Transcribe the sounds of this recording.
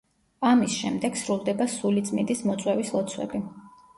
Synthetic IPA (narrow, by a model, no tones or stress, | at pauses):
amisʃɛ̰md̪ɛɡsɾulˠd̪ɛbasulit̪sʼmḭd̪ismɔt̪sʼwɛvislˠɔt̪sʰwɛ̰bi